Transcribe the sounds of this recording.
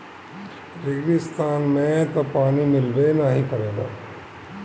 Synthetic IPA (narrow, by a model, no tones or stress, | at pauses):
ɾɪɡɾist̪ʰaːnmẽt̪ɐpaːnimɪlʋenaːɦikɐɾẽːd̪a̰ː